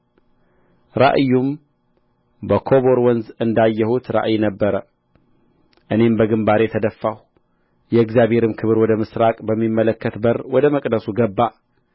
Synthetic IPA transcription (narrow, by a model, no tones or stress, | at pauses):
ɾa̰ʔjːum | bəkʰo̞βo̞ɾwɔnzɨnd̪ajːɛhut̪ɾa̰ʔjnəbːəɾə | ʔɨne̞mbəɡɨmbaɾet̪ʰəd̪əfːah | jɛɨɡzjaβhe̞ɾɨmkʰɨβɾwɔd̪əmɨsɾakʼbəmːimːələkːət̪bəɾwɔd̪əməkʼd̪əsuɡəbːa